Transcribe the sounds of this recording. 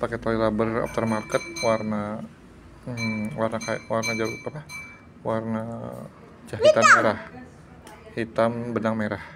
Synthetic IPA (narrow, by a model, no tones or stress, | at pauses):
paket̪alilabərɔ̰f̚t̪ərmarkət̪̚warna | əwarnakaja̰warnad͡ʒaɾut̪apa | warna | d͡ʒaɦit̪ammeɾah | hit̪ambənaŋmeɾah